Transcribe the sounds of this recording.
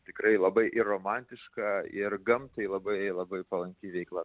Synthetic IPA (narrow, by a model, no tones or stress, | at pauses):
t̪ʲɪkɾɐɪlˠɐbɐɪʔɪroːmɑːnʲt̪ʲɪʃkɑɪrɡɐmt̪ɐɪlˠɐbɐɪlˠɐbɐɪpɐlˠɐŋʲkʲɪʋʲɛɪklˠɐ